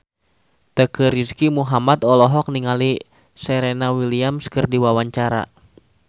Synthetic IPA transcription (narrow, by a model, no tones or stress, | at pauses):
t̪əkəɾiskimuɦamat̪ɔlɔɦɔk̚niŋali | sɛɾenawiliamskərdiwawaɲt͡ʃaɾa̰